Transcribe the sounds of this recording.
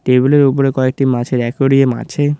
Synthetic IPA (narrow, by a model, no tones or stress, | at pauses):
ʈebuleɾupoɾekɔek̚ʈimat͡ɕʰeɾɛkoɖiema̰t͡ɕʰe